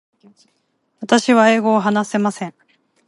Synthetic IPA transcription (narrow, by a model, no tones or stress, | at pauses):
βat̪aɕiβae̞ːɡo̞ːɦanase̞masẽ̞ɴ